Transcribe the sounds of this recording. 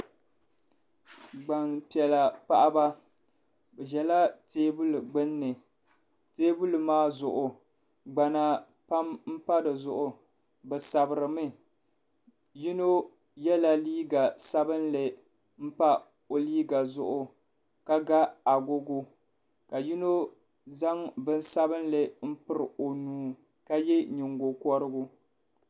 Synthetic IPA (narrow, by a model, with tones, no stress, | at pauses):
ɡ͡ba˨npi˨ɛ˨la˨pa˦ʔa˦ba˦ | bɛ˨ʒɛ˨la˦teː˦bu˦lɡ͡bɨ˦nːɨ˨ | teː˦bu˦lɨ˨maː˦zʊ˨ʔʊ˨ | ɡ͡ba˨na˨ | pa˦mm̩˦pa˦dɨ˨zʊ˨ʔʊ˨ | bɨ˨sa˨bɨ˨ɾɨ˨mɨ˦ | ji˦no˦ | jɛ˦la˨liː˦ɡa˨sa˦bɨ˦nlɨ˨ | m̩˦pa˦ | o˨liː˦ɡa˨zʊ˦ʔʊ˦ | ka˦ɡa˦a˨ɡo˦ɡʊ˦ | ka˨ji˦no˦ | za˦ŋbɨ˦n˦sa˦βɨ˦nlɨ˦m̩˦pɨ˦ɾɨ˨o˨nuː˦ | ka˦jɛ˦ɲɪ˨ŋɡo˨kɔ˦ɾɨ˦ɡʊ˦